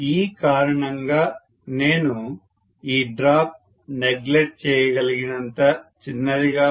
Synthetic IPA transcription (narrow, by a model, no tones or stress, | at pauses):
iːkaːɾɐɳɐŋɡaː | neːnu | iːɖɾaːp̚ | neɡleʈ̚t͡ʃɛːjɐɡɐliɡinɐnt̪ɐt͡ʃinːɐɾiɡaː